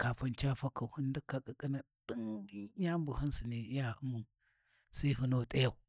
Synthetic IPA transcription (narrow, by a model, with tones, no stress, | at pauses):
ka˨fa˦nt͡ʃa˦fa˦ka˨hu˦n˦di˦ka˦kʼi˨kʼi˦na˨ | ɗi˦nja˦mbu˨hu˦nsi˨ni˨˦ja˦˨u˦mu˨ | sa˦ɦu˦no˦˨tʼa˦ja˨u˨